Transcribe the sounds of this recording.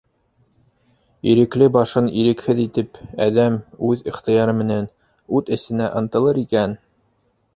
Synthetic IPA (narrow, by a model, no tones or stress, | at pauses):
iɾɘ̆klɘbɑʃɤniɾɘ̆khɘðit̪ɘpæ̰ðæmʉðiχt̪ɤ̆jɑɾɤmɘ̆næn | ʉðɘ̆sɘ̆næʔɤ̆nt̪ɤ̆lˠɤɾikæn